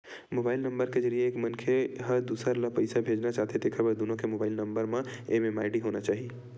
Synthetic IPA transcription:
mobaːilnəmbəɾked͡ʒəɾijeeːkmənkʰeɦəɾd̪usaɾləpəɪsabʱed͡ʒnat͡ʃaɦt̪ed̪ekʰəbeɾd̪unõkemobaɪilnəmbəɾmẽememaɪɖiɦonat͡ʃaːɦi

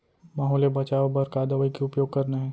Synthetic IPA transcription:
maːɦɔːljebɐt͡ʃaːʋobɐɾkaːd̪ɐʋəikeʊpjoːɡ̚kɐɾnaɦɛː

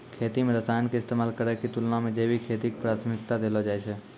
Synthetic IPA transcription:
kʰeːt̪imẽɾəsaːjənkeɪst̪eːmaːlkəɾɛkit̪ʊlnãmẽd͡ʒeːbikʰeːt̪ikpɾaːt̪ʰmɪkt̪ad̪eːlod͡ʒaːet͡ʃʰɛː

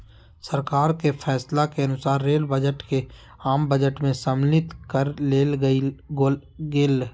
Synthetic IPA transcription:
səɾkaːɾkepʰɛːslakeɐnʊsaːɾːeːlbəd͡ʒəʈke | aːmbəd͡ʒəʈmẽsəmlɪt̪kəɾleːl | ɡeːl

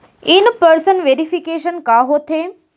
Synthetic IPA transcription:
inpəɾsənʋeːɾifikeːʃənkaːɦot̪ʰeː

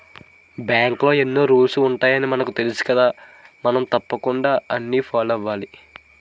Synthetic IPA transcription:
bjaːŋklo̞ːe̞nːoːɾuːlsuːɳʈaːjɐnimɐnɐkut̪e̞lisi̥kɐd̪aːmɐnɐmt̪ɐpːɐkuɳɖaːɐnːiːpʰaːlɐʋaːli

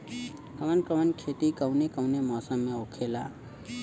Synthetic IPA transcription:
kəmənkɾəmənkʰet̪ikəwnekəwnemɔːsəmːẽokʰela

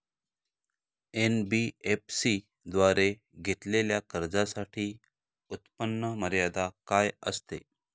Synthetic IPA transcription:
enbiepsi | d̪ʋaɾe | ɡʱeʈ̪leljakəɾd͡zasaʈʰiː | ut̪pənːəməɾjad̪akajə̰st̪ḛ

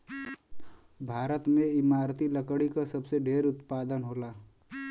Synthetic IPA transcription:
bʱaːɾət̪mẽɪmaːɾt̪iləkɽikasəbseɖʱeːɾʊt̪paːd̪ənɦoːla

